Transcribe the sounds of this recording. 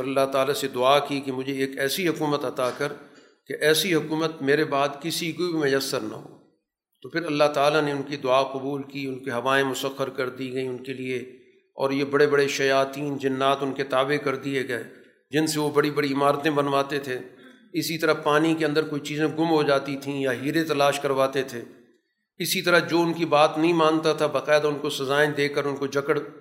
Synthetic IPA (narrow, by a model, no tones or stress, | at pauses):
ɾɐlːaɦt̪aːlased̪ʊakikemʊd͡ʒʱeeːkɛːsiɦʊkuːmət̪ɐt̪akɐɾ | keʔɛːsiɦʊkuːmət̪meːɾebaːd̪kɪsikoibʱimʊjəsːəɾna̰ɦo̰ː | t̪oːpʰɪɾɐlːaɦt̪aːlaneʊnkid̪ʊaːqʊbuːlkiʊnkiɦɐʋaːẽmʊsəxːəɾkɐɾd̪iɡɐiʊnkelie | ɔ̰ːɾjebɐɽebɐɽeʃɐjaːt̪iːnd͡ʒɐnːaːt̪ʊnket̪aːbekɐɾd̪ieɡɐe | d͡ʒɪnseʋobɐɽibɐɽiɪmaːɾt̪ẽbɐnʋaːt̪et̪ʰeː | ɪsit̪ɐɾəpaːnikeɐ̃nd̪əɾkoit͡ʃiːzẽɡʊmɦod͡ʒaːt̪it̪ʰĩjaɦiːɾet̪ɐlaːʃkɐɾʋaːt̪et̪ʰeː | ɪsit̪ɐɾəd͡ʒoːʊnkibaːt̪nɐɦĩmãːnt̪at̪ʰabɐqɛːd̪aʊnkosɐzaːẽnd̪eːkəɾʊnkod͡ʒɐkəɽ